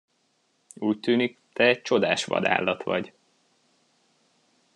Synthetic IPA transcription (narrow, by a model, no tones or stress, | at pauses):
uːct̪yːnikt̪ɛɛc̚t͡ʃo̞d̪aːʃʋɒ̰d̪a̰ːlːɒt̪ʋɒɟ